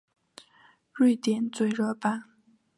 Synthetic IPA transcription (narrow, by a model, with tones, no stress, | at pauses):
ɻi˥˩ɪt̪jɛ˨˩nt͡swe˥˧ɪɻɤ˥˧pa˥˧n